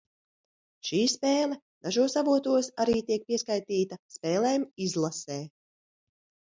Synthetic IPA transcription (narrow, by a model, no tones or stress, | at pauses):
ʃiːspeːlˠɛ | d̪̥aʒuɔsavuɔt̪uɔsaɾiːt̪iɛk̚piɛskajt̪iːt̪ɐspɛːlˠeːmizlˠasɛː